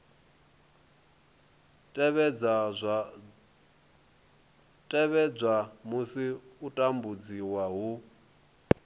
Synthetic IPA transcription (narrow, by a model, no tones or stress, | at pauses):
tʼɛβɛd͡zazʷa | tʼɛβɛb͡ʐʷamusiutʼambud͡ziwaɦu